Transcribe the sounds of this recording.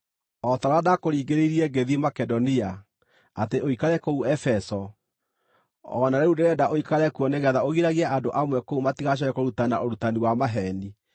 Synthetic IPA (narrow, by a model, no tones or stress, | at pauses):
ɔtaɾadakoɾiːɡeɾeiɾiɛɡeðimakɛdɔnia | ateʔoikaɾɛkouɛfɛsɔ | ɔ̰naɾɛɾudeɾɛdaʔoikaɾɛkuɔneɣɛðaoɣiɾaɣiaʔandoʔamwɛkoumatiɣaɕ̬ɔɾɛkoɾutana̰oɾutaniwamaɦɛni